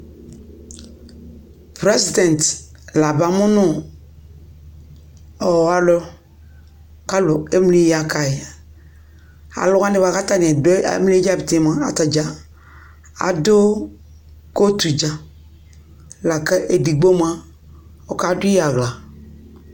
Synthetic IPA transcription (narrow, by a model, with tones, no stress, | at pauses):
pɾɛ˦si˨dɛ̃˨n˨t | la˨ba˨mʊ˦nʊ˦ | ɔ˨a˦lɔ˦ | ka˦lʊ˨e˦m˦li˦ja˨ka˨i˨ | a̰˨lʊ˦ɡa˦ni˦ba˨ka˦ta˦n˨ɛ˨d̰m˦i˦d͡ʒa˦bi˨te˦˨m˨a˨a˨ta˨d͡ʒa˨ | a̰˨do˦ | ko˦tu˨d͡ʒa˨ | la˨kɛ˦ʔe˨di˨ɡ͡bo˦m˦a˦ | ɔ˨ka˦du˦a˨ɡla˨